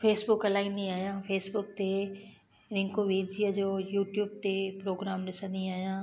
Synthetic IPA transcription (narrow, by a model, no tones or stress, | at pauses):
feːsbʊkɐlaːĩnd̪iaːɦijãːfeːsbʊkt̪e | ɾɪ̃ŋkoʋiːɾd͡ʑijəd͡ʑoːjuːʈjuːb̚t̪epɾoːɡɾaːmɗɪsə̃nd̪iaːɦijãː